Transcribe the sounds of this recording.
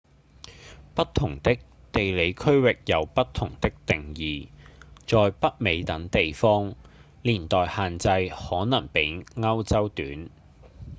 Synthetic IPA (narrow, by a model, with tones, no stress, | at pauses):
pɐ˥tt̪ʰʊ˨˩ŋt̪ɪ˥k̚ | t̪e˨jle˨˧jkʰɵ˥ɥwɪ˨k̚jɐ˨˧wpɐ˥t̪ʰʊ˨˩ŋt̪ɪ˥k̚t̪ɪ˨ŋjiː˨t͡sɔː˨jpɐ˥t̚me˨˧jt̪ɐ˨˥ŋt̪e˨jfɔː˥ŋ | liː˨˩nt̪ɔː˨jhaː˨nt͡sɐ˧jhɔː˨˥nɐ˨˩ŋpe˨˥jŋɐ˥wt͡sɐ˥wt̪yː˨˥n